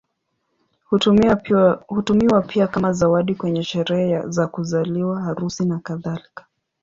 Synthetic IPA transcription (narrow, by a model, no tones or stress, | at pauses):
hutumiwapʰiakamazawaɗikwɛɲɛʃɛɾɛhɛzakuzaliwahaɾusinakaðalikḁ